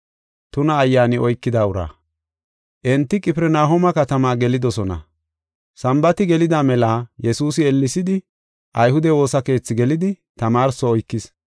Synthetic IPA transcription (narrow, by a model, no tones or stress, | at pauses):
t̪ʊnɐːjːaːnɪʔɔjkːɪd̪aːʊɾa̰ː | ʔɛnt̪ːɪkʼɪpɪɾɛnaːɦɔmɐkɐt̪ɐmaːɡɛlɪd̪ɔsɔnɐ̰ | sɐmbɐt̪ɪɡɛlɪd̪amɛlajɛsuːsɪɛlːɪsɪd̪ɪ | ʔɐjhʊd̪ɛwo̞ːsɐke̞ːt͡sːɪɡɛlɪd̪ɪ | t̪ɐmaːɾsɔːjkːɪs